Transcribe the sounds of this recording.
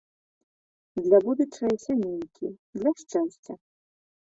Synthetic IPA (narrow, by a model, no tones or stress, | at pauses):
d̪lʲabud̪ut͡ʂɐjasʲamʲenʲkʲʰid̪lʲɐʂt͡ʂɛwsʲt͡sʲɐ